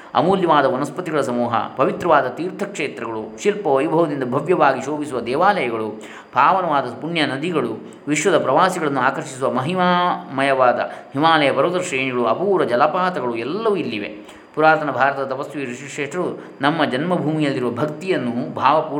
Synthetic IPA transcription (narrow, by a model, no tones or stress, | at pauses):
ɐ̰muːljɐʋaːd̪ɐʋɐnɐspɐt̪iɡɐɭɐsɐmuːɦɐ̰pɐʋit̪ɾɐʋaːd̪ɐt̪iːɾt̪ʰɐkʂeːt̪ɾɐɡɐɭuʃilpɐʋɐjbʱɐʋɐd̪ind̪ɐbʱɐʋjɐʋaːɡiʃoːbisuʋɐd̪ɛːʋaːlɐjɐɡɐɭu | b̥ʱaːʋɐnɐʋaːd̪ɐpunjɐnɐd̪iɡɐɭu | ʋiʃʋɐd̪ɐpɾɐʋaːsiɡɐɭɐnːuaːkɐɾʂisuʋɐmɐɦimaːmɐjɐʋaːd̪ɐ̰ɦimaːlɐjɐbɐɾoːd̪ɐɾɐʃɾeːɳiɡɐɭuɐpuːɾɐd͡ʒɐlapaːt̪ɐɡɐɭuɛlːɐʋuilːiʋḛ | puɾaːɾt̪ɐnɐbʱaːɾɐt̪ɐd̪ɐt̪ɐpɐsʋiːɾiʂikʂeːʈɐɾu | nɐmːɐd͡ʒɐnmɐbʱuːmijɐlːiɾuʋɐbʱɐkt̪ijɐnːubʱaːʋɐpuː